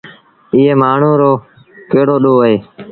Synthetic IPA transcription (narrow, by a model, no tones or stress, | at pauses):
ɪːeːmaːɳ̤ũːɾoː | keːɽoːɗoːəɦeː